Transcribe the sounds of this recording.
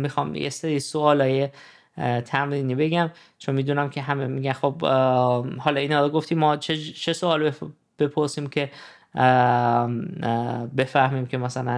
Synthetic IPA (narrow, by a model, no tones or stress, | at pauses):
mixɒːmjḛseɾiːsoɒːlɒːje̞ | t̪ʰæmɾiːniːbe̞ɡæm | t͡ʃʰonmiːd̪unæmkcʰe̞ɦæmemiːɡænxob | hɒːlɒːiːnhɒːɾoɡoft̪ʰiːmɒːt͡ʃʰet͡ʃʰe̞soɒːle | b̥e̞pʰoɾsiːmcʰe̞ | be̞fæhmiːmcʰʲe̞mæsælæn